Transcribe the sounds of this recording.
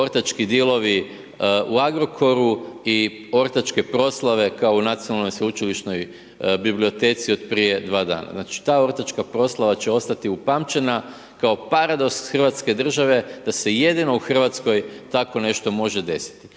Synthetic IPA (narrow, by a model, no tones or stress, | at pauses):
o̞ɾt̪at͡ʃkid̪ilˠo̞ʋi | uaɡɾo̞kʰo̞ɾui | o̞ɾt̪at͡ʃke̞pɾo̞slˠaʋe̞kaounat̪sijonalˠnojsut͡ʃiliʃno̞j | biblio̞t̪e̞ːt̪sio̞d̪pɾije̞d̪ʋaːd̪a̰ːna̰znat͡ʃi̥t̪aːo̞ɾt̪at͡ʃkapɾo̞slˠaʋat͡ɕe̞o̞st̪at̪iupaːmt͡ʃe̞na | kao̞paɾad̪o̞ksxərʋat̪ske̞d̪r̩ʒaʋe̞d̪̥ase̞je̞d̪ino̞uxr̩ʋat̪sko̞jt̪ako̞ne̞ʃt̪o̞mo̞ʒe̞d̪e̞si̥t̪i̥